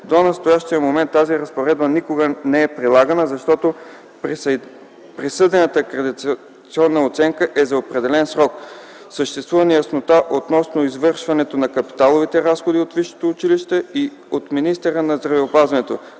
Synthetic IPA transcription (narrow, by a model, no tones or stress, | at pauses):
d̪onɐst̪ojaʃt̪iəmomɛnt̪ːaziɾɐspoɾɛd̪̚bənikoɡənɛɛpɾilˠaɡənəzɐʃt̪ɔt̪o | pɾisɤd̪ɛnət̪əkɾɛd̪i | t̪siɔnːəot̪sɛŋkəʔɛzɐopɾɛd̪ɛlɛnsɾɔk | səʃt̪ɛst̪vuvɐnijəsnot̪aʔot̪nɔsnoizvɤɾʃvɐnɛt̪onɐkɐpi̥t̪alˠovit̪ɛɾasxod̪iot̪viʃo̥t̪oːt͡ʃiliʃt̪ɛi | ot̪minist̪ɛɾənɐzd̪ɾɐvɛopazvɐnɛt̪o